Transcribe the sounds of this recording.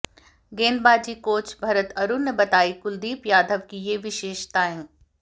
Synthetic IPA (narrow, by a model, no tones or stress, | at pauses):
ɡeːnbaːd͡ʒikoːt͡ʃbʱɐɾət̪ɐɾunːebɐt̪aːikʊld̪iːpjaːd̪ʱəʋkijeːʋɪʃeːʃt̪aːẽ